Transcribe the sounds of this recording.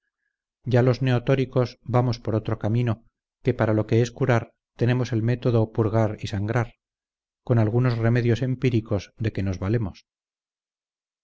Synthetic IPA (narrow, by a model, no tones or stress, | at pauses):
ɟ͡ʝalo̞zne̞ot̪o̞ɾiko̞zbamo̞spo̞ɾo̞t̪ɾo̞kamino̞ | ke̞paɾalo̞ke̞eskuɾaɾ | t̪e̞ne̞mose̞lme̞t̪o̞ðo̞puɾɣaɾisaŋɡɾaɾ | ko̞nalɣ̞uno̞zre̞me̞ðjo̞se̞mpiɾiko̞zðe̞ke̞no̞zβale̞mo̞s